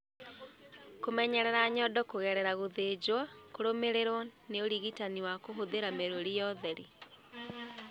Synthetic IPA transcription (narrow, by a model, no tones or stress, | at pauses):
komɛɲɛɾɛɾaɲɔdɔkoɣɛɾɛɾaɣoðed͡ʑwakoɾomeɾeɾwɔneoɾiɣitaniwakoɦoðeɾameɾoɾijɔðɛɾḭ